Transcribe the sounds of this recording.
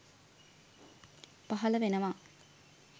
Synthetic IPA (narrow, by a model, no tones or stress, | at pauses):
paɦɐləʋenəʋa